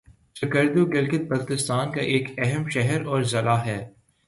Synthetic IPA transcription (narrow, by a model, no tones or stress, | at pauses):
ʃɐkəɾd̪uɡɪlkɪt̪̚bɐɾkɪst̪aːnkaʔeːkɛɦəmʃɛɦɛɾɔːɾzɐlaːɦɛː